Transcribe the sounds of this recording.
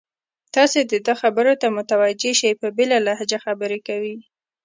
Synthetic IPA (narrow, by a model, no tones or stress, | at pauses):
t̪ɑsed̪əd̪əxabəɾot̪amʊt̪awad͡ʒeʃajpəbelalahad͡ʒaxabəɾekawi